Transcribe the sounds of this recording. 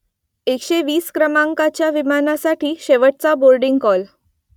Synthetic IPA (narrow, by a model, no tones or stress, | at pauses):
ekɕeʋiːskɾəmãŋkat͡ɕjaʋimanasaʈʰiːɕeʋəʈ̚t͡saboɾɖiŋɡkɔl